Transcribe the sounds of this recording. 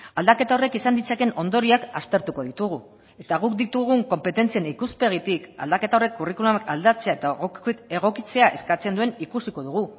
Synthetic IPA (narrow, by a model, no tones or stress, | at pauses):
ald̪ake̞t̪ao̞re̞kisand̪it͡sake̞no̞nd̪o̞ɾiaka̰st̪e̞ɾt̪uko̞ðit̪uɣ̞u | e̞t̪aɣ̞uk̚d̪it̪uɣ̞uŋko̞mpe̞t̪e̞nt͡sienikuspe̞ɣ̞it̪ika̰ld̪ake̞t̪ao̞re̞kːurikulumakald̪at͡se̞ae̞t̪aɣoeɣ̞o̞kit͡se̞aʔe̞skat͡se̞nd̪ue̞nikusiko̞ðuɣu